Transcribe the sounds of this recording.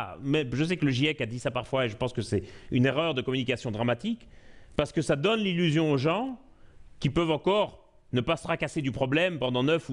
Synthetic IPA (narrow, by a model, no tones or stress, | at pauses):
mɛʒəs̬ɛkələʒiɛkad̪isapaʁfwaeʒəpɑ̃skəsɛyneʁœʁd̪əkɔmynikasjɔ̃d̪ʁamat̪ikpaʁsə̥kəsad̪ɔnlilyzjɔ̃oʒɑ̃ | kʲipœvɑ̃kɔʁ | nəpasə̥χakased̪ypχɔblɛmpɑ̃d̪ɑ̃nœfu